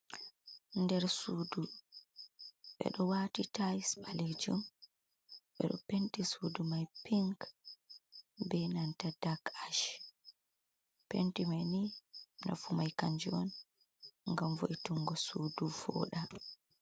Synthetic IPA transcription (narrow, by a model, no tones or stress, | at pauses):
ndɛɾsuːdu | ɓɛ̰ɗɔwaːtitajsɓaled͡ʒum | ɓɛ̰ɗɔ̰pentisudumajpiŋk | bɛnantadakaʃ | pentimajnina̰fumajkaɲd͡ʒɛɔn | ŋɡamvoʔituŋɡɔsuːdufɔ̰ːɗa